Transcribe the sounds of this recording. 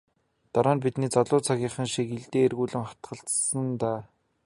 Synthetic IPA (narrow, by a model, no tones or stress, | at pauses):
t̪aɾaːnpit̪niːt͡saɮʊːt͡sʰaɣʲiːɴχə̆ŋʃikiɮt̪eːerɣuːɮɘ̆ŋχḁt̪ɢə̆ɬt͡ssə̆nt̪aː